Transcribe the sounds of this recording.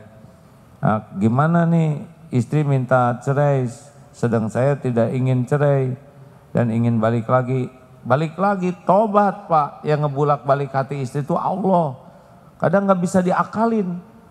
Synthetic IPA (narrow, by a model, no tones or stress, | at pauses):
a̰ɡimananɪhist̪ɾimint̪at͡ʃəɾɛj | sədəŋsajat̪idakiŋɪnt͡ʃəɾɛj | da̰niŋɪnbalɪklaɡi | balɪklaɡit̪obat̪̚paʔjaŋːəbulak̚balɪkhat̪iːst̪ɾit̪uʔa̰lɔh | ka̰daŋɡaʔbisadiakalɪn